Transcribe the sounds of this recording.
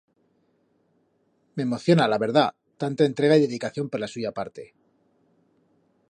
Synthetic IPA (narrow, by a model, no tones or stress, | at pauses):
me̞ːmo̞θjo̞nalaβe̞ɾða | t̪ant̪aent̪ɾe̞ɣ̞aiðe̞ðikaθjo̞mpoɾlasuʝapaɾt̪e̞̰